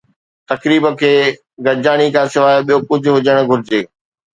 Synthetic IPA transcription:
t̪ɐkɾiːbə̆kʰeː | ɡɐd͡ʑaːɽ̃ikʰãsɪʋaːjoɓijokʊd͡ʑʱʊ̆ɦʊd͡ʑəɽ̃ɡʱʊɾɪd͡ʑeː

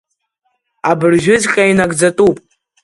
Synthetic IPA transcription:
abɨrʒᶣʊzqʲʼainaɡd͡zatʼupʼ

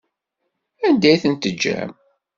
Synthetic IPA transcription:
ænd̪æjθənt̪əd͡ʒːæ̰m

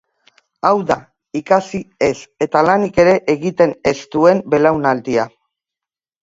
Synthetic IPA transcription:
awða | ikasie̞se̞t̪alanike̞ɾe̞ʔeɣit̪e̞ne̞st̪ue̞mbe̞lawnald̪ia

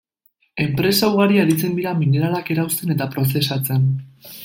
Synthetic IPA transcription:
e̞mpɾe̞sawɣaɾiaɾit͡se̞nd̪iɾamine̞ɾalake̞ɾawst̪e̞ne̞t̪apɾo̞se̞sat͡se̞n

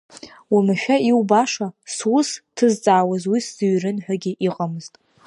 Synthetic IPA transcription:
wimaʃᶣaiwbaʂaswustʰɨzt͡sʼaːwazwisz̥ɨɥrɨnħʷᶣaɡʲɪʔiqʼamɨz̥tʼ

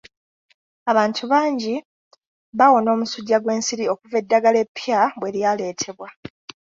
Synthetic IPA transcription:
aβaːntʰuβaːɲɟi | βawo̞no̞ːmusuɟːaɡwe̞ːnsiɾio̞kuve̞dːaɡale̞pːjabwe̞ljaːle̞ːtʰe̞βwa

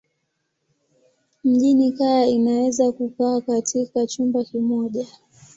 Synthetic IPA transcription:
m̩ʄinikajainawɛzakukaːkatʰikat͡ʃumbakimɔʄa

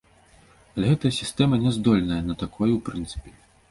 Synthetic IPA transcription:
ɐlʲɛɣɛt̪ɐjɐsʲist̪ɛmɐnʲɛzd̪ɔlʲnɐjɐnɐt̪akʰɔjwpɾɨnt̪sɨ̥pʲɛ̥

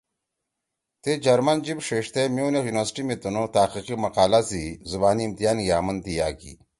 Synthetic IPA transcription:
t̪ed͡ʑɐɾmɐnd͡ʑibʂeʂt̪emiunexjuːnʋɐɾsʈimit̪unot̪aːqiqimɐqaːlazizubaːniːmt̪ijaːnjaːmɐnd̪ijaːkḭ

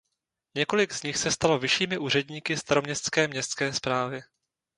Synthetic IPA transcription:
ɲɛko̞lɪɡzɲɪxsɛst̪alo̞vɪʃiːmɪʔuːr̝ɛdɲiːkɪst̪aɾo̞mɲɛst̪t͡skɛːmɲɛst̪skɛːspɾaːvɪ

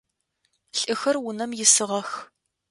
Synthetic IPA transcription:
ɬʼɨxɐrwʊnɐmjɪsɨʁɐx

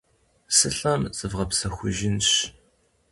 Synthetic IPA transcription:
sɨɬɐmz̥ɨvʁɐpsɐxʷʊʒɪnɕ

